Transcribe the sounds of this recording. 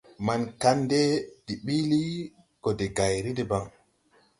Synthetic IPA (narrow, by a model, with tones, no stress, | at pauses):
ma˨nka˦nde˦d̥i˨ɓi˦li˦ | ko˨de˨ɡa˨jɾi˦de˨ba˦ŋ